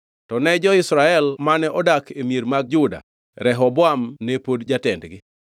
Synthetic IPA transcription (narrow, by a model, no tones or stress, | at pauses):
tɔnɛd͡ʒɔɪsɾaɛlmanɛʔɔdakʰemjeɾmaɡ̚d͡ʒʊda̰ | ɾɛɦɔboamnɛpodd͡ʒatɛndɡɪ